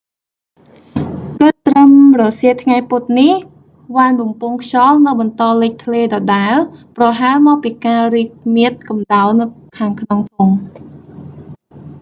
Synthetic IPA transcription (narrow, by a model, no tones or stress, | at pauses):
kɨt̪ːrəmrɑsiət̪ʰŋajput̪̚nih | ʋaːnɓɑmpuŋkʰt͡ɕɑːlnɨwɓɑnt̪ɑːlɨc̚t̪ʰleːɗɑːɗaɛlprɑɦaɛlmɑːk̚piːkaːriːk̚miət̪̚kɑmɗaɔlnɨwkʰaːŋkʰnoŋpʰuŋ